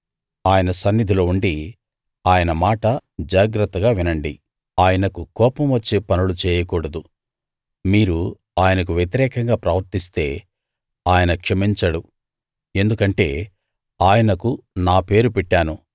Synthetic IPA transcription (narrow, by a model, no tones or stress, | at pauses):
aːjɐnɐsɐnːid̪ʱilo̞ːuɳɖi | aːjɐnɐmaːʈɐd͡ʒaːɡɾɐt̪ːɐɡaːʋinɐɳɖi | aːjɐnɐkukɔːpɐmʋɐt͡ʃːeːpɐnulut͡ʃɛːjɐkɔːɽɐd̪u | miːɾu | aːjɐnɐk̬uʋjet̪iɾɛːkɐŋɡaːpɾɐʋɐɾt̪ist̪e̞̰ː | aːjɐnɐkʂɐmiɲt͡ʃɐɽu | e̞nd̪ukɐɳʈe̞̰ː | aːjɐnɐkunaːpe̞ːɾupɛʈːaːnu